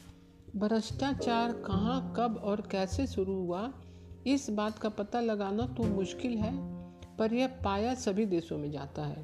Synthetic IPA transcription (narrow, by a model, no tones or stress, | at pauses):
bʱɾəʃʈaːt͡ʃaːɾkɐɦãkɐbɔːɾkɛːsesʊɾuɦʊa | ɪsbaːt̪kapɐt̪alɐɡaːnat̪umʊʃkɪlɦɛːpɐɾjəpaːjasɐbʱid̪eːsõmẽd͡ʒa̰ːt̪aɦɛː